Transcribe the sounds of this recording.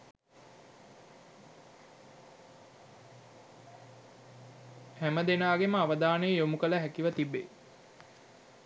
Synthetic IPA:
hæməd̪enaːɡeməaʋəd̪aːnəjəjomukələɦækiʋət̪ibːḛ

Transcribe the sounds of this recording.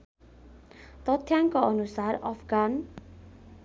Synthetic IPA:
t̪ʌt̪ʰjaŋkoʌnusarʌpʰɡan

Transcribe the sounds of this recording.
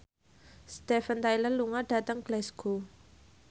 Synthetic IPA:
st̪ɛfənt̪ajlənluŋaɖ̥a̤t̪əŋɡlɛsɡ̥o

